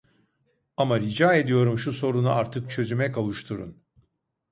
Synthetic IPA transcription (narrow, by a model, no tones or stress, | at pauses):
amaɾid͡ʒaːe̞d̪ijo̞ɾumʃuso̞ɾunuʔaɾt̪ʰɯkt͡ʃʰø̞zymɛkʰavˠuʃt̪ʰuɾṵn